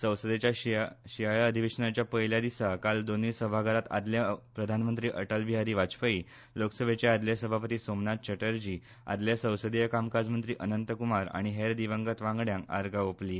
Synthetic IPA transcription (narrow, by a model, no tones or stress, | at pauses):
sə̃w̃səd̪et͡ɕjaɕiajəd̪ʱiʋeɕənat͡ɕjapəɦljad̪isakald̪onisəbʱaɡaɾat̪a̰d̪ljapɾəd̪ʱanmənt̪ɾiːʔəʈəlbʱiɦaɾiːʋat͡spəi | loksəbʱet͡ɕaad̪ljasəbʱapət̪iːsomnat̪̚t͡ɕəʈəɾd͡ʑiː | a̰d̪ljasə̃w̃səd̪ijəkamkad͡zmənt̪ɾiːʔənənt̪əkumaɾa̰ɽ̃iɦeɾd̪iʋəŋɡət̪ʋãŋɡɽjãŋka̰ɾɡaopliː